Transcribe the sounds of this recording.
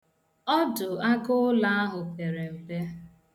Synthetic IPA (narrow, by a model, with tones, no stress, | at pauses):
ɔ˦dʊ˨a˦ɡʊ˦la˦a˦ɦʊ˨pe˨ɾe˨m̩˨be˦